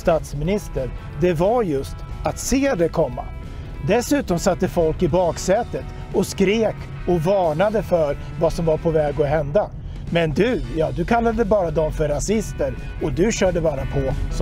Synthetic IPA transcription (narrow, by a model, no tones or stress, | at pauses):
st̪ɑːt̪smɪnɪst̪əɾ | d̪ɛvaɾjɵst̪at̪seːd̪ɛkʰɔmːa̰ | d̪ɛsʉ̟ːt̪ɔmsat̪ːəfɔlkɪbɑːksɛːt̪ət̪ | ɔskɾeːk | ɔvɑːɳad̪əfœɾ | vasɔmvaɾpʰɔvɛːɡɔɦɛnd̪a | mɛnd̪ɵjɑːd̪ɵkʰalːad̪əbɑːɾad̪ɔmfœɾːasɪst̪əɾ | ɔd̪ɵɕœːɖəbɑːɾapʰɔs